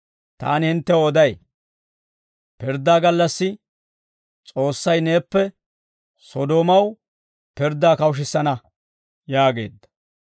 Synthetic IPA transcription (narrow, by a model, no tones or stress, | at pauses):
t̪a̰ːnɪhɪnt̪ːɛɔd̪ɐj | pɪɾd̪ːaːɡɐlːɐsːɪ | t͡sʼo̞ːsːɐjne̞ːpːɛ | sɔd̪oːmɐw | pɪɾd̪ːaːkɐwʃ̬ɪsːɐnɐ | jaːɡe̞̰ːd̪ːɐ̥